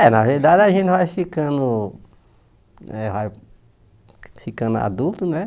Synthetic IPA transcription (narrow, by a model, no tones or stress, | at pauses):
ɛnɐveɾd̪ad͡ʒɪaʒẽt̪ɪvajfikɐ̃nd̪ʊ | ɛvaj | fikɐ̃nd̪ʊa̰d̪ult̪ʊnɛ